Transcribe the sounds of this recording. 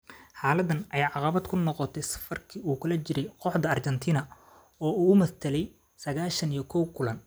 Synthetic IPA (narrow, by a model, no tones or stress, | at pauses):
ħaːlɐd̪ɐnʔɐjaːʕɑqɑβɐd̪kʰʊnɔqɔt̪ʰɛjsɐ̥fɐrkʰiːuːkʰɐlɐt͡ʃɪɾɛjqɔħd̪ɐɐrt͡ʃɛnt̪ʰiːnɐ | ɔːuːʊmɐθt̪ʰɐlɛj | sɐɣaːʃɐnijɞkʰɔwkʰʊlɐn